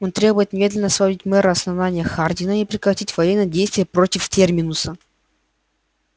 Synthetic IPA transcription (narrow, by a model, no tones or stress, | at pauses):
ont̪ɾʲe̞bʊjɪt̪nʲɪmʲe̞d̪lʲɪnəsvɐvʲitʲmɛɾɨɐsnɐvnanʲɪjəxardʲɪnəipɾʲɪkɾɐtʲitʲvɐjenːəjədʲejst̪vʲɪjəpɾo̞tʲɪftʲermʲɪnʊsə